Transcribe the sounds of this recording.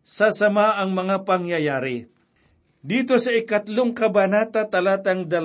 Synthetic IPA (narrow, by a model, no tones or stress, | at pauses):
sɐsɐmaʔɐŋmɐŋapɐŋjɐjaːɾɪ | d̪iːt̪osɐɪkɐt̪loŋkɐbanaːt̪ɐt̪ɐlaːt̪ɐŋd̪ɐl